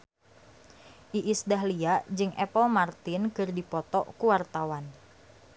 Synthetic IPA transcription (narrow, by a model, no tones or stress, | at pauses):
ʔiʔisdaɦliad͡ʒɨŋʔɛpɔlmart̪ɪnkɨrdipɔt̪ɔʔkuwart̪awan